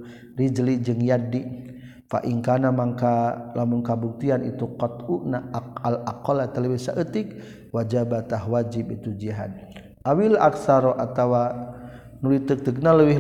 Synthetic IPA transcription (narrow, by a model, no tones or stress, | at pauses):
rid͡ʒlid͡ʒɨŋjadi | fa̰ʔiŋkanamaŋkalamuŋkabuk̚t̪ianʔḭt̪ukɔt̪uʔnaalakɔlat̪ələwisa̰ʔət̪ik̚ | wad͡ʒabat̪aɦwad͡ʒibit̪ud͡ʒiɦa̰d̪̚ | ʔawilʔaksaɾɔʔat̪awa | nulit̪ək̚t̪ək̚naləwi